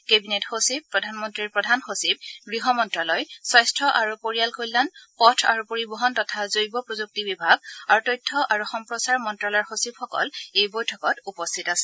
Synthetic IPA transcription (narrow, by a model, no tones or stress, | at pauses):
kebinetxosip̚ːɹɔdʱanmɔntɹiɹpɹɔdʱanxosib̚ɡɹiɦɔmɔntɹalɔjsajstʰɹɔʔaɹupoɹijalkojlanpɔtʰa̰ɹupoɹibɔɦɔntɔtʰazojbɔpɹozuk̚tibibʱaɡaɹutɔjtʰːɔʔaɹuxɔmpɹɔsaɹmɔntɹalɔɔɹxosib̚xɔkɔ̰lejbojtʰɔkɔtupɔstʰitasɛ̥